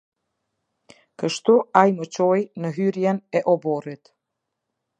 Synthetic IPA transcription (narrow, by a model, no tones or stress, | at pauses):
kəʃt̪uajmət͡ɕɔjnəɦyɾjɛnɛʔɔbɔɾit̪